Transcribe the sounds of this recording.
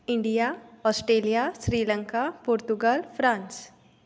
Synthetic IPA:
ɪ̃ɳɖijaɔːsʈɾeːlijasɾiːlə̃ŋkapoːɾt̪ʊɡəlfɾãːns

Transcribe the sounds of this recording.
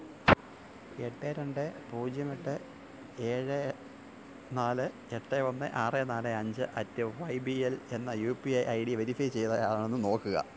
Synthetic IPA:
e̞ʈːeɾeɳɖɨpuːd͡ʑjɐmeʈːɨ | eːɻɨ | naːlɨ | eʈːeʋonːɨ̰ʔaːrenaːlɨɐɲd͡ʑɨʔɐtːɐʋɐjbiele̞nːɐjuːpiɐjʔɐjɽiʋeɾifɐjt͡ɕe̞jt̪ɐjaːɳenːɨno̞ːkːɨɣɐ̰

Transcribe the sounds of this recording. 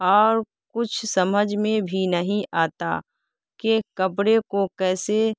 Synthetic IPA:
ɔːɾ | kʊt͡ʃʰsɐməd͡ʒmẽbʱinəɦĩʔaːt̪a̰ | kekɐpɽekokɛːse

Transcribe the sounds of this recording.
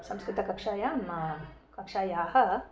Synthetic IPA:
sɐ̃mskɾɪt̪ɐkɐpʂaːjamakɐpʂaːjaːɦɐ

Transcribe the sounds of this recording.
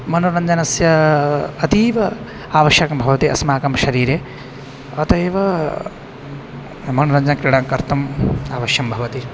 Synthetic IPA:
mɐnuɾɐɲd͡ʒɐnɐsjɐɐt̪iːʋɐ | aːʋɐʃjɐkɐmbʱɐʋɐt̪iɐ̰smaːkɐmʃɐɾiːɾeː | ɐt̪ɐjʋɐ | mɐnuɾɐɲd͡ʒɐnɐkɾiɽaːŋkɐɾt̪ɐmaːʋɐʃjɐmbʱɐʋɐt̪i

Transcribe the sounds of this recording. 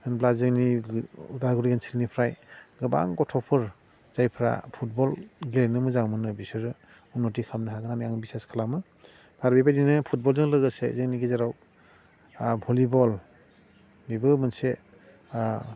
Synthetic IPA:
ɯnblazɯŋniudaɾɡɯɾiɡansilnipʰɾajɡɯba̰ŋkɔtʰɔpʰɯɾ | zajpʰɾa̰pʰut̚bɔlɡilenɯmɯzaŋmɯnɯbisɯɾɯ | unɔt̬ikʰamnɯɦaɡɯnamiaŋbiseskʰalamɯ | baɾbibadinɯpʰut̚bɔlzɯŋlɯɡɯsezɯŋniɡizaɾaw | bʱɔlibɔl | bibɯmɯnse

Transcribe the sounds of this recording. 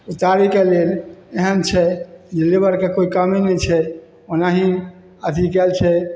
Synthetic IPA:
ut̪aɾikeleleɦənt͡ʃʰɛd͡ʒelebəɾkekoikəmenɛt͡ʃʰɛ | onaɦĩ | ət̪ʰikɛlt͡ʃʰɛ

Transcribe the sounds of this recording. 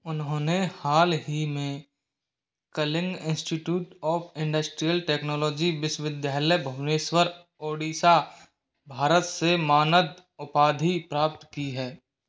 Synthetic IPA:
ʊnɦõːnehaːlɦimẽ | kəlɪ̃ŋɡɪ̃nsʈiʈjuːʈɔːpʰɪ̃ɳɖəsʈɾijəlʈeːknɔːlɔːd͡ʒiʋɪsʋɪd̪jaːləjbʱəneːʃwəɾ | oːɽiːsa | bʱaːɾət̪semaːnəd̪ʊpaːd̪ʱipɾaːp̚t̪kiɦɛː

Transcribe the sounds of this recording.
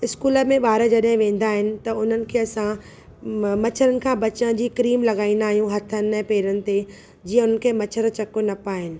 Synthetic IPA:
ɪskuːlə̆mẽɓaːɾəd͡ʑɐɗɦɪ̃ʋẽːn̆d̪aːɦɪnɪ̆t̪ɐʊn̤ənɪ̆kʰeːɐsã | mɐt͡ɕʰəɾənɪ̆kʰãːbɐt͡ɕə̃d͡ʑiːkɾiːmlɐɠaːĩn̆d̪aːɦijũɦɐt̪ʰən̆ɛ̃ːpeːɾənɪ̆t̪e | d͡ʑiːə̃ʊnənɪ̆kʰeːmɐt͡ɕʰəɾt͡ɕɐkonɐpaːɦɪnɪ̆

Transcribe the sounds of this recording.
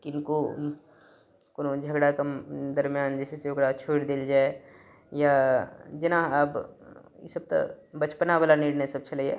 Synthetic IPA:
kiɪnko | konod͡ʒʱəɡɽakɐmd̪ɐɾmjaːnd͡ʒɛːseseʊɡɾat͡ʃʰoːɽd̪eld͡ʒaːe | jad͡ʒɪnãɐb | jḛsɐb̚t̪a̰bɐt͡ʃpənaʋalaniːɽnesɐb̚t͡ʃɐleɛ̰ː

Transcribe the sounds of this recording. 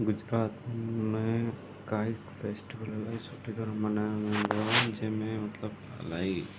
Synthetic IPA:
ɡʊd͡ʒɾaːt̪mẽ | kaːi | pʰesʈibəlɐlaisoːʈid̪ɔɾɐmɐnamẽɡɔd͡ʒemẽmɐt̪ləb | ɐ̰lai

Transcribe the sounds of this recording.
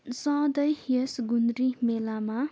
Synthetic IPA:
sɔ̃d̪ʌjhiesɡunɾimelama

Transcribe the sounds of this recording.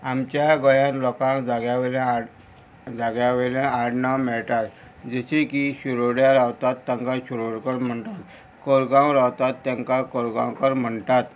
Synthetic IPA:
amt͡ɕjaɡəjãnlɔkãd͡zaɡjaʋeɾẽ | d͡zaɡjaʋeɾẽaɽnamɛɭʈ̪at̪ | d͡zəɕikiɕuɾoɽjaɾawt̪at̪ːãŋkaɕuɾoɽkəɾm̤əɳt̪at̪ | kəɾɡãwɾawt̪at̪ːãŋkakoɾɡãwkəɾm̤əɳt̪at̪

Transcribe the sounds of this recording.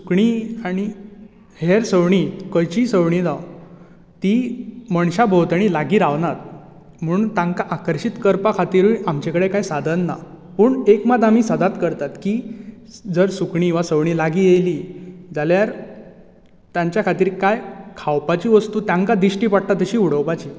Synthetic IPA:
su̥kɳiːaɽ̃i | heɾsəʋɳiːkəjt͡ɕiːsəʋɳiːd͡z̪aw | t̪iməɳɕabʱowt̪əɽ̃ilaɡiːɾaʋnat̪ | m̤əɳ̃unt̪ãŋkaʔakəɾɕit̪kəɾpakʰat̪iːɾuʔamt͡ɕekəɽekajsad̪ʱənːa̰ | puːɳekmad̪am̤iːsəd̪at̪kəɾt̪at̪kiː | d͡zəɾsukɳiʋasəʋɳiːlaɡiːjejliːd͡zaljaɾ | t̪jãɲt͡ɕjakʰat̪iːɾkajkʰawpat͡ɕiːʋəst̪uːt̪jaŋkad̪iɕʈiːpaɽ̚t̪at̪əɕiːuɽ̤əwpat͡ɕiː

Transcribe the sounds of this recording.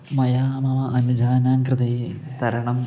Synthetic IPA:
mɐjaːmɐʋɐʔɐnud͡ʒʱaːnaːŋkrɨd̪ɐji | t̪ɐɾɐɳɐm

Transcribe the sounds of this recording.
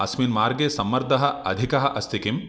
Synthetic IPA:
ɐ̰smiːnmaːɾɡesɐmːɐɾd̪ʱɐɦɐ̆ɐd̪ʱikɐɦɐʔɐst̪ʰikim

